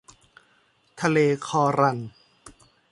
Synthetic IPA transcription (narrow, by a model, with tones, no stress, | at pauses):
t̪ʰa˧leː˧kʰɔː˧ɾa˧n